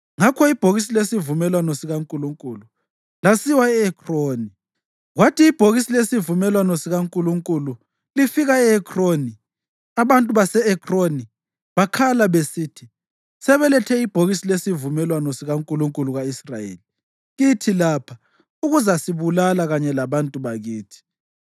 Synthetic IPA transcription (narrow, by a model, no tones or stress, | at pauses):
ŋakʰɔib̥ʱoɣis̬ilesivumɛlwanɔsiɣaŋkʼuluŋkʼulu | lasiwaɛɛkʰroːni | ɣwatʰiːb̥ʱoɣisilesivumɛlwanɔsiɣaŋkʼuluŋkʼulu | lifiɣaɛɛkʰroni | aβantʼuβasɛɛkʰroni | βakʰalaβesiːtʰi | sɛβɛlɛtʰɛib̥ʱoɣisilesivumɛlwanɔsiɣaŋkʼuluŋkʼuluɣaisrajḛːli | ɣitʰilapʰa | uɣuzasiβulalaɣaɲɛlaβantʼuβaɣiːtʰi̥